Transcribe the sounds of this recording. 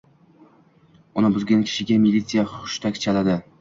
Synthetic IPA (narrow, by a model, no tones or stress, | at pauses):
ʊnɪbʊzɡʲankʲʰɪ̥ʃɪɡʲamilʲːit̪sɨjaχʊʊ̥ʃt̪ʰakʲt͡ʃʰalad̪ɪ